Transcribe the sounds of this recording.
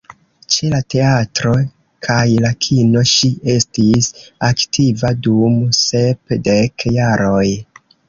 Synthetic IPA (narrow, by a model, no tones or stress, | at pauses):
t͡ʃe̞late̞atɾo̞ | kʰajlakʰino̞ʃie̞stisaktʰivadumse̞pdekjaɾo̞j